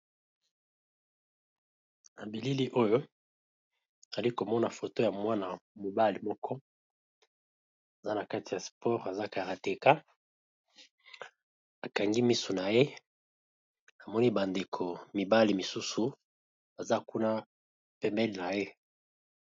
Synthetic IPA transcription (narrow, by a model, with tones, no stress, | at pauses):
na˨bi˨li˦li˦ʔo˦jo˦ | a˨za˨li˦ko˨mɔ˦na˨fo˨to˦ja˨mwa˦na˨mo˨ba˦li˨mɔ˦kʰɔ˦ | a˨za˦na˨ka˦ti˨ja˨spʰɔ˦ʁa˨za˦ka˨ʁa˨te˨ka˦ | a˨ka˨ŋɡi˦mi˦su˨na˨je˦ | a˨mɔ˦ni˦ba˨nde˨kʰo˨mi˨ba˦li˨mi˨su˦su˨ | ba˨za˦ku˦na˦ | pɛ˦mbɛ˦lna˨je˦